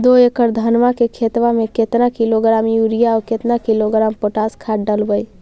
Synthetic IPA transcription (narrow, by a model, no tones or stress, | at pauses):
d̪oekəɾd̪ʱənmakekʰet̪ʋamẽket̪nakiloɡɾamjuɾijaɔket̪nakiloɡɾampoʈaskʰaʈɖəlbəj